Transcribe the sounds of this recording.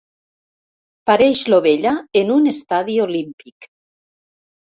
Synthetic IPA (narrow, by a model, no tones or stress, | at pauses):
paɾɛʃloβeʎaenunest̪aðiolimpik